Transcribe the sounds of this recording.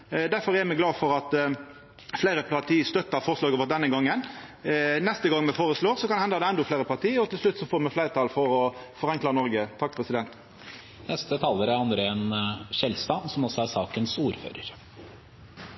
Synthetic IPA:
d̪æɾfɔʁɛmɛɡlɑːfɔɾɑt̪ | fleɪɾəpʰɑt̪ʰiːəst̪œt̪ːɑʁfɔːɾslɑːɡɔʋɔʁd̪ɛnːəɡɑŋːən | nɛst̪əɡɑŋmɛfoːʁəsloːʁsɔkɑnhɛnd̪ɑd̪ɛɛnd̪ʊflæɪɾəpɑʁt̪iːɔt̪ʰɪlslʉt̪ːsɔfoːɾmɛflæɪʁət̪ʰɑːlfɔɾɔfɔʁɛŋklɑnɔɾɡət̪ʰɑk̚ːpʰʁɛsɪd̪ɛnt̪ | nɛst̪ət̪ʰɑːlːəɾæɾɑnd̪ɾeːnʃɛlst̪ɑːnsɔmɔsɔæsɑːkənsuːɾfø̰ːɾəɾ

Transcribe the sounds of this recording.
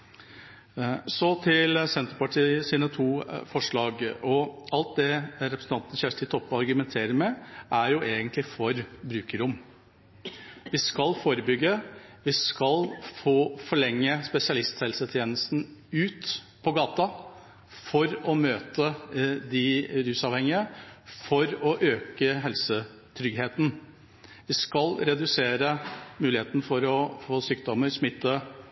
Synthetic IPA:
sɔt̪ʰɪlsɛnt̪əɾpɑʈʰiːsiːnət̪ʰuːfɔʂɭɑːɡɔɑlt̪̚d̪ɛɾɛpɾəsn̩t̪ɑnt̪ənəçæʂʈ̪ɪt̪ʰɔpːɔɑɾɡʉmɛnt̪ʰeːɾəɾmɛʔæɾjʊʔeːɡənt̪lɪfɔɾbɾʉːkəɾʊm | ʋɪskɑlfoːɾəbʏɡːəʋɪskɑlfoːfɔɭɛŋːəspɛsɪɑlɪst̪hɛlsət̪ʰjeːnəst̪n̩ʉːt̪ | pʰɔɡɑːt̪ɑ | fɔɾɔmøːt̪əd̪ɪɾʉːsɑːʋhɛŋɪəfɔɾɔʔøːkəɦɛlsə | t̪ʰɾʏɡɦeːt̪n̩ | ʋɪskɑlɾɛd̪ʉseːɾəmʉːlɪeːt̪ənəfɔɾɔfoːsyːk̚d̪ɔmːəɾsmɪt̪ːə

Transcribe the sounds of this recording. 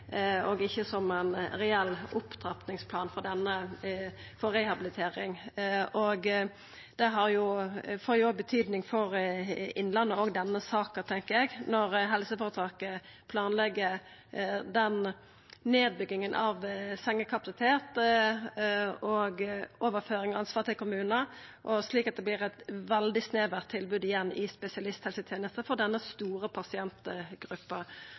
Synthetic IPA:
ɔɡɪçːəsɔmæɪnɾɛɛlːʊpːd̪ɾɑpnɪŋspʰlɑːnfɔɾd̪ɛnːə | fɔɾɛhɑbɪlɪt̪ʰeːɾɪŋʔoɡ | d̪̥ɛɦɑɾjʊfoːɾjʊɔɡ̚bət̪ʰyːd̪nɪŋfɔɾɪnːlɑnːəoːɡd̪ɛnːəsɑːkət̪ʰɛŋkəɾɛɡnɔɾɦɛlsəfoːɾət̪ʰɑːkə | pʰlɑːnlɛɡːə | d̪ɛn | neːd̪̚bʏɡːɪŋənʔɑʋsɛŋːəkʰɑpɑsɪt̪ʰeːt̪ | ɔɡoːʋəɾføːɾɪŋɔɑnsʋɑːʁt̪ɪlkʰʊmʉːnəʔɔsliːkɑt̪̚d̪ɛblɪʁɛt̪ʋɛld̪ɪsneːʋæʁt̪ʰːɪlbʉːd̪ɪjɛnːɪspɛsɪɑlɪst̪hɛlsət̪ʰjeːnəst̪əfɔd̪ɛnːəst̪uːɾəpʰɑsɪɛnt̪ɡ̥ʁʉpːə

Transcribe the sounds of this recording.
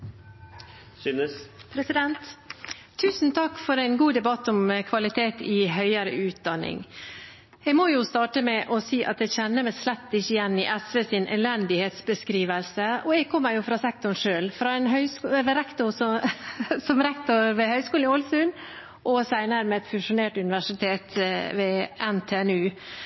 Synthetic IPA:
synəpʰɾɛsɪd̪ɛnt̪ʰː | ʉːsn̩t̪ʰɑkːfɔɾæɪnɡuːd̪ɛbɑt̪ːɔmkʰʋɑlɪt̪ʰeːt̪ʰɪɦœʏəɾə̰ʉːt̪̚d̪ɑnːɪ̰ŋ | ɛɡmɔjʊst̪ɑːʈəmɛʔɔsiːʔɑ̰t̪̚ɛçɛnːəmæslɛt̪ːɪçːəɪjɛnːɪʔɛsʋɛsɪnʔɛ̰lɛnd̪ɪheːt̪sbəskɾiːʋəlsəɔɛɡ̚kʰɔmːəɾjʊfɾɑsɛkt̪ʊɳʂøːlfɾɑɛnɦœʏskːɛɾɛkt̪ʊsɔ | sɔmɾɛkt̪ʊɾʋɛhœʏskuːlnɪɔlsʉn | ʔɔsæɪnəɾəmɛɛt̪fʉʂʊneːʈʉnɪʋæʂɪt̪ʰeːt̪ʋeːɛnt̪ʰeɛnʉː

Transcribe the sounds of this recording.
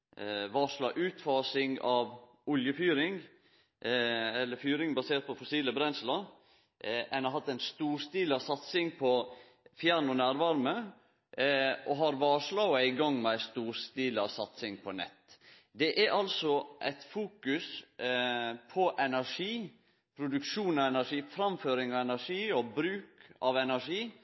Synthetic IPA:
ʋɑːʂlɑːʔʉːt̪fɑːsɪŋɑʋ | ʊljəfyːɾɪŋ | ɛlːəɾfyːɾɪŋbɑseːɾt̪̚pʰɔfɔsiːləbɾɛnslɑ | ʔɛnɑɦɑt̪ːæɪnst̪uːɾst̪iːlɑsɑt̪sɪŋpʰɔ | fjæɾɳɔnæːɾʋɑɾmə | ɔɦɑɾʋɑːʂlɑɔæɪɡɑŋːmɛst̪uːɾst̪iːləɑʋsɑt̪sɪŋpʰɔnɛ̰t̪ː | d̪ɛʔæɾʔɑlsɔʔæ̰ɪt̪fuːkʉs | pʰɔʔɛnæʂiː | pʰɾʊd̪ʉkʂuːnɑɛnæʂiːfɾɑmføːɾɪŋɑʋɛnæʂiːɔbɾʉːkɑʋɛnæʂiː

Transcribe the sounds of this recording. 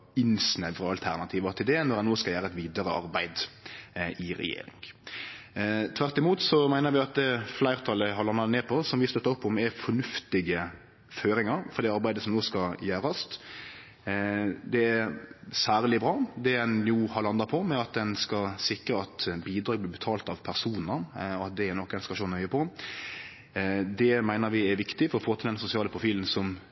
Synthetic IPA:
ɪnsnɛʋɾəɑlt̪ʰæɾnɑt̪ʰiːʋəɾt̪ʰɪld̪ɛnɔɾɛnːoːskɑljæːɾəɛt̪ʋiːd̪ɑɾəɑ̰ɾbæɪd̪ | ʔɪɾɛ̰jḛːɾɪ̰ŋ | t̪ʰʋæɾt̪ːɪmuːt̪sɔmæɪnəɾʋɪɑt̪flæɪɾt̪ʰɑləɦɑɾlɑnːɑt̪neːpʰɔsɔmʋɪst̪œt̪ːɑɔpːɔmæfɔnʉft̪ɪɡə | føːɾɪŋɑɾfɔɾd̪ɛɑɾbæɪd̪əsɔmnoːskɑjæːɾɑst̪ | d̪ɛæsæːɾlɪbɾɑːd̪ɛɛnjʊhɑlɑnd̪ɑpʰɔmɛɑt̪̚d̪ɛnskɑsɪkɾəɑt̪biːd̪ɾɑːɡbliːbət̪ʰɑːlt̪ɑʋpʰæʁsuːnəɾɔɑt̪̚d̪ɛɛɾnɔkːɛnskʃoːnœʏəpʰɔ | d̪ɛmæɪnəɾʋɪɛɾʋɪkt̪ɪfɔɾɔfoːt̪ʰɪld̪ɛnsʊsɪɑːləpʰʁʊfiːln̩sɔm

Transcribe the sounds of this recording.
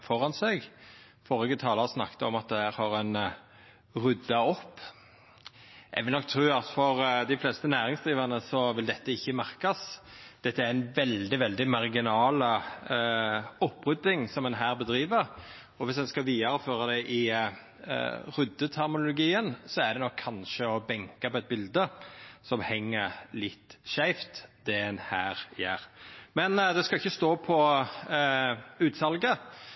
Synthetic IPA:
fɔɾɑnsɛɡ | fɔʁɪɡət̪ʰɑːlɑʁsnɑkt̪əɔmɑt̪̚d̪ɛhæːɾhɑːɾɛn | ʁʉd̪ːɑɔpː | ɛ̰ɡʋɪlnɔkːt̪ʰɾʉːɑt̪fɔʁd̪ɪflɛst̪ənæːɾɪŋsd̪ʁiːʋɑʁnəsɔʋɪld̪ɛt̪ːəɪçːəmæʁkɑsd̪̥ɛt̪ːəæɾænʋɛld̪ɪʋɛld̪ɪmɑʁɡɪnɑːlə | ɔpːʁʉd̪ːɪŋsɔmɛnɦæːʁbəd̪ɾiːʋəʁ | ɔʋɪsd̪ɛnskɑʋiːɑɾəføːɾɑd̪ɛʔɪ | ɾʉd̪ːət̪ʰæʁmʊlʊɡiːənsɔæɖ̪ɛnɔkʰːɑnʃəɔbɛŋkɑpɔɛt̪̚bɪld̪əsɔmhɛŋːəɾlɪt̪ːʃæɪft̪d̪̥ɛɛnhæːɾjæ̰ːɾmɛnd̪ɛskɑɪçːəst̪oːpʰɔ | ʉːt̪sɑlɡə

